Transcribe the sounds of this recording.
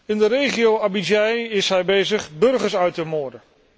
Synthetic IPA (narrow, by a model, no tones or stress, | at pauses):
ɪndəɾejχijowabid͡ʒɛjɪsɦɛjbejzəχbɵɹχəɹsœɥtəmʊːɹdən